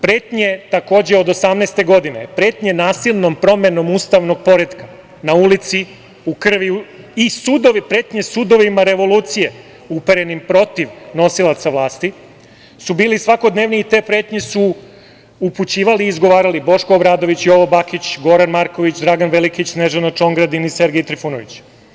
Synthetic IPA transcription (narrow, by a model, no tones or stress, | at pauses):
pɾe̞ːt̪ɲe̞t̪ako̞ːd͡ʑeod̪osamnest̪e̞ɡo̞d̪inepɾe̞ːt̪ɲe̞naːsilʲno̞mpɾo̞me̞no̞muːst̪aʋno̞ɡ̚po̞ɾe̞d̪ka | naulit̪si | ukr̩ʋiu | isud̪oʋipɾe̞ːt̪ɲe̞sud̪o̞ʋimaɾe̞ʋo̞luːt̪sije̞ | upeɾe̞nimpɾo̞t̪iʋno̞silˠat̪saʋlˠaːst̪i | subiːlisʋako̞d̪neːʋniːt̪e̞pɾeːt̪ɲe̞su | uput͡ɕiːʋaliːzɡo̞ʋaːɾalibo̞ʃkoːbɾaːd̪oʋit͡ɕio̞ʋo̞bakit͡ɕɡo̞ɾanmaɾko̞ʋit͡ɕd̪ɾaɡanʋelikit͡ɕsneʒanat͡ʃo̞ŋɡɾad̪inise̞ɾɡeit̪ɾifunoʋit͡ɕ